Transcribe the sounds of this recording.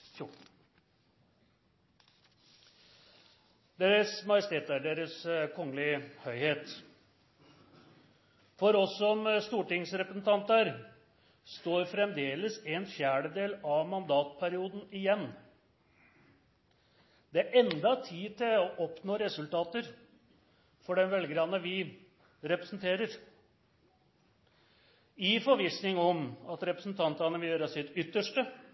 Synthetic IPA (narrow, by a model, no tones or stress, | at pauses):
fjʊʈɳ̩ | d̪eːɾəsmɑjəst̪eːt̪æɖeːɾəskʰɔŋːəlɪhœʏheːt̪ | fɔɾɔsːɔmst̪uːʈɪŋsɾɛpɾəsn̩t̪ʰɑnt̪æɾ | st̪oːɾfɾɛmd̪eːləsɛnfjæːɖəd̪eːlɑʋmɑnd̪ɑːt̪pʰæɾɪuːd̪n̩ɪjɛnː | d̪̥ɛæɾʔɛnd̪ɑt̪ʰiːt̪ʰɪlɔʔɔpnoːɾɛsʉlt̪ɑːt̪əɾ | fɔɖɛnʋɛlɡɾɑnəʋɪ | ɾɛpɾəsn̩t̪ʰeːɾəɾ | ɪfɔɾʋɪsnɪŋɔmɑt̪ɾɛpɾəsn̩t̪ʰɑnt̪ɑnəʋɪljøːɾəsɪt̪ʏt̪ːəʂʈə